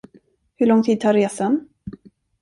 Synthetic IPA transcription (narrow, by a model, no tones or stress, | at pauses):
hɵɭɔŋt̪ʰiːd̪̚t̪ʰaːɾːeːsan